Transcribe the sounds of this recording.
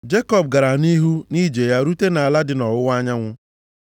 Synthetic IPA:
d͡ʒe˦kɔ˨b̚ɡa˨ɾa˨ni˦ɦu˦ni˦d͡ʒe˨ja˦ɾu˦te˦na˨a˨la˦dɪ˦nɔ˨wʊ˦wa˦ɲa˦ŋʷʊ˦

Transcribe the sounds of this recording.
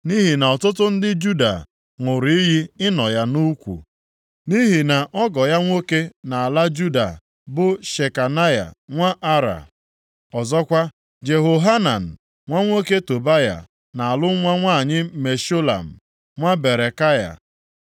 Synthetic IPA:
ni˦ɦi˨na˨ɔ˨tʊ˦t̬ʊ˦n̩˦dɪ˦d͡ʒu˦da̰˨ | ŋʷʊ˨ɾi˦ɦi˦ɪ˦nɔ˨ja˦nu˦kʷṵ˨ | ni˦ɦi˨na˨ʔɔ˦ɡɔ˨ja˦ŋʷo˦ke˦na˨a˨la˦d͡ʒu˦da̰˨ | bʊ˨ʃe˨ka˨na˦ja̰˨ŋʷa˦ʔa˦ɾa̰˨ | ɔ˨zɔ˦kʷa˦ | d͡ʒe˨ɦo˨ɦa˦na˨n̩˨ | ŋʷa˦ŋʷo˦ke˦to˨ba˦ja̰˨ | na˨a˨lʊ˦ŋʷa˦ŋʷa˦˨ɲɪ˦me˨ʃo˦la̰˨m̩˨ | ŋʷa˦be˨ɾe˨ka˦ja̰˨

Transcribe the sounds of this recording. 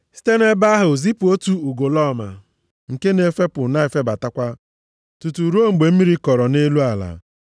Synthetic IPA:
si̥˦te˦ne˦ba˦a˦ɦʊ˨zi˦pu˨o˦tu˦u˨ɡo˨lɔ˦˨ma̰˨ | ŋ̩˨ke˦ne˨˦fe˦pʊ˨na˦e˨fe˦ba˨ta˦kʷa˦ | tu˨tu˨ɾu˦o˦ŋ͡m̩˨ɡ͡be˨m̩˦mi˦ɾi˦kɔ˨ɾɔ˨ne˦lu˦a˨la̰˨

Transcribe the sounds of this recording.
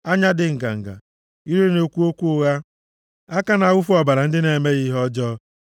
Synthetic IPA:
a˦ɲa˦dɪ˨ŋ̩˨ɡa̰˨ŋ̩˨ɡa̰˨ | i˦ɾe˦no˦kʷu˦o˦kʷu˦ʊ˦ɣa˦ | a˦ka˦na˨wʊ˦fu˦ɔ˨ba˨ɾa˨n̩˦dɪ˦ne˨me˦ɣi˦ɦɔ˦d͡ʒɔ˦

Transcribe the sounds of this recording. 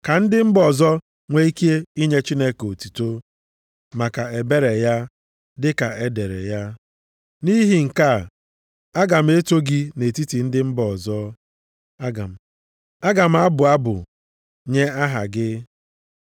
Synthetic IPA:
ka˨n̩˦dɪ˦m̩˦bɔ˨zɔ˦ | ŋʷe˦i˦ke˦i˦ɲe˦t͡ʃi˦ne˦ko˨tu˨to˦ | ma˨ka˨e˨be˦ɾe˨ja˦ | dɪ˦ka˨e˦de˨ɾḛ˨ja˦ | ni˦ɦi˨ŋ̩˨ka˦˨ | a˦ɡa˨m̩˦e˦to˦ɡi˦ne˨ti˦ti˨n̩˦dɪ˦m̩˦bɔ˨zɔ˦ | a˦ɡa̰˨m̩˨ | a˦ɡa˨m̩˦a˦bʊ˨a˦bʊ̰˨ | ɲe˦a˦ɦa̰˨ɡɪ˦

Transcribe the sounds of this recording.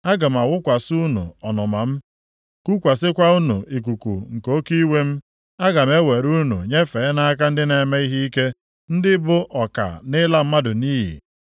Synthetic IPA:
a˦ɡa˨m̩˨a˨wʊ˦kʷa˨su˦nṵ˨ɔ˨nɔ˨ma˨m̩˦ | ku˦kʷa˨sɪ˦kʷa˦u˦nṵ˨i˨k̬ʷu˨kṵ˨ŋ̩˨ko˦ki˦we˦m̩˦ | a˦ɡa˨m̩e˦we˨ɾu˦nṵ˨ɲe˦fe˨e˦na˦a˦k̬a˦n̩˦dɪ˦ne˨me˦i˦ɦi˦i˦ke˦ | n̩˦dɪ˦bʊ˦ʔɔ˨ka̰˨nɪ˦la˦m̩˦ma˦dʊ˨niː˦ɦḭ˨

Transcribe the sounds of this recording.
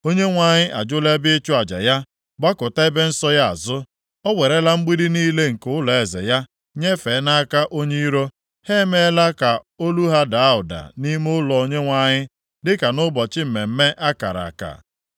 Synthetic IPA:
o˦ɲe˦ŋʷa˨ɲɪ˦ʔa̰˨d͡ʒʊ˦le˦bɪ˦ɪ˦t͡ʃʊ˦a˨d͡ʒa̰˨ja˦ | ɡ͡ba˦kʊ˨ta˦e˦be˦n̩˦sɔ˦ja˦a̰˨zʊ˦ | ɔ˦we˨ɾe˦la˦ŋ͡m̩˦ɡ͡bi˦ɾi˦niː˦le˦ŋ̩˨kʊ˦ʊ˦lɔ˨e˨zḛ˨ja˦ | ɲe˦fe˨˦na˦ka˦ʔo˦ɲe˦i˦ɾo˦ | he˦me˦la˦ka˨ | o˦lu˦ɦa˦da˨a˦ʊ˨da̰˨ni˦mʊ˦ʊ˦lɔ˨o˨ɲe˦ŋʷa˨ɲɪ˦ | dɪ˦ka˨nʊ˦bɔ˨t͡ʃɪ˦m̩˨me˨m̩˦me˦ʔa˦ka̰˨ɾa̰˨ka̰˨

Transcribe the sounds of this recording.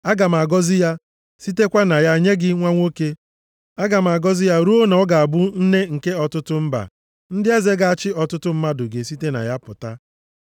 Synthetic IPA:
a˦ɡa˨m̩˨a˨ɡɔ˦zɪ˦ja˦ | si˦te˦kʷa˦na˨ja˦˨ɲe˦ɡɪ˦ŋʷa˦ŋʷo˦ke˦ | a˦ɡa˨m̩˨a˨ɡɔ˦zɪ˦ja˦ɾu˦o˦n˨ɔ˦ɡa˨a˨bʊ˦n̩˦ne˦ŋ̩˨ke˦ɔ˨tʊ˦tʊ˦m̩˦ba̰˨ | n̩˦dɪ˦e˦ze˦ɡa˨a˦˨t͡ʃɪ˦ɔ˨tʊ˦tʊ˦m̩˦ma˦dʊ˨ɡe˨s̬i˦te˦na̰˨ja˦pʊ˨ta˦

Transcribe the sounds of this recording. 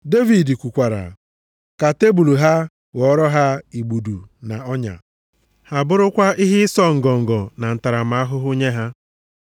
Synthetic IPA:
de˦vi˨di˨kʷu˨kʷa˨ɾa̰˨ | ka˨te˦bu˨lu˨ɦa˦ | wɔ˨˦ɾɔ˦ɦa˦i˨ɡ͡bu˨du˨na˨ɔ˦ɲa̰˨ | ha˨bʊ˦ɾʊ˦kʷa˦ʔi˦ɦɪ˦sɔ˦ŋ̩˨ɡɔ˨ŋ̩˨ɡɔ˨na˨n̩˨ta˨ɾa˨m̩˨a˦a˦ɦʊ˦ɦʊ˦ɲe˦ɦa˦

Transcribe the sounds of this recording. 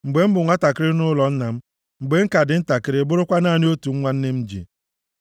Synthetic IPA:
ŋ͡m̩˨ɡ͡be˨m̩˦bʊ˨ŋʷa˦ta˨kɪ˦ɾɪ˦nʊ˦lɔ˨n̩˦na˨m̩˦ | ŋ͡m̩˨ɡ͡be˨ŋ̩˦ka˨dɪ˨n̩˦ta˨kɪ˦ɾɪ˦bʊ˦ɾʊ˦kʷa˦na˦˨nɪ˦o˦tu˨ŋ̩˦ŋʷa˦n̩˦ne˦m̩˦d͡ʒḭ˨

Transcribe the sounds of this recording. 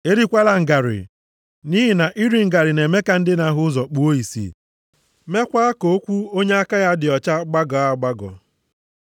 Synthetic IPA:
e˦ɾi˦kʷa˦la˨ŋ̩˨ɡa˨ɾɪ̰˨ | ni˦ɦɪ˨na˨ʔi˦ɾi˨ŋ̩˦ɡa˨ɾɪ˨ne˨me˦ka˦n̩˦dɪ˦na˨ɦʊ˦zɔ˨k͡pu˨o˦i˨sḭ˨ | me˦kʷa˦a˦ko˨˦o˦kʷu˦o˦ɲe˦a˦ka˦ja˦dɪ˨ɔ˨t͡ʃa˦ɡ͡ba˦ɡɔ˨a˦ɡ͡ba˦ɡɔ̰˨

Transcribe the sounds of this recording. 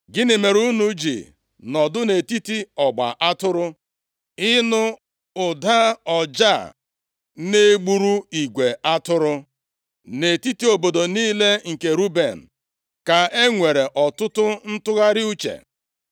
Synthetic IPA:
ɡɪ˦nɪ˨me˨ɾu˦nu˨d͡ʒḭ˨ | nɔ˨dʊ˦ne˨ti˦ti˦ɔ˨ɡ͡ba̰˨ʔa˦tʊ˦ɾʊ˦ | ɪ˦nʊ˦ | ʊ˨da˦ɔ˨d͡ʒa˦˨ | ne˦ɡ͡bu˦ɾu˦i˨ɡʷe˨a˦tʊ˦ɾʊ˦ | ne˨ti˦ti˦o˨bo˨do˨niː˦le˦ŋ̩˨ke˨ɾu˦be˨n̩˨ | ka˨e˦ŋʷe˨ɾe˨ʔɔ˨tʊ˦tʊ˦n̩˦tʊ˦ɣa˦ɾɪ˦u˦t͡ʃḛ˨

